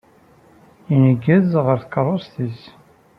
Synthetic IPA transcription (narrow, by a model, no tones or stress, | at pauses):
inəɡːəðʁəɾθə̥kːərˤːost̪is